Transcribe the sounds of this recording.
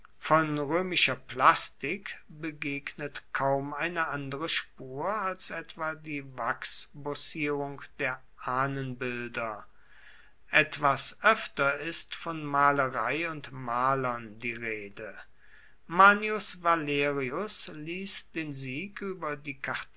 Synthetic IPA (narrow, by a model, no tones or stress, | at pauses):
fɔnʁøːmɪʃɐplastɪkbəɡeːɡnətkʰaʊmaɪnəʔandəʁəʃpuːɐalsʔɛtv̥aːdiːvaksbɔsiːʁʊŋkd̥eːɐ | ʔaːnənbɪldɐ | ʔɛtv̥asʔœftɐɪstfɔnmaːləʁaɪʊntmaːlɐndiːʁeːdə | maːnjʊsvaleːʁiʊsliːsd̥eːnziːkyːbɐdiːkʰaʁt